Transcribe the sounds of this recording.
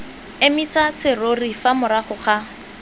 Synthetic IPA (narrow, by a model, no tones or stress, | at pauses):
emisasɪrorifamʊɾaχʊχa